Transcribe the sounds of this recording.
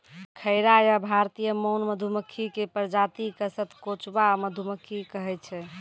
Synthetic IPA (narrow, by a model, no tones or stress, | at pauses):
kʰəɪɾajabʱaɾt̪ijəmənməd̪ʱuməkʰːikepəɾd͡ʒat̪ikəsət̪kot͡ʃbaməd̪ʱuməkʰːikəɦɛt͡ʃʰɛ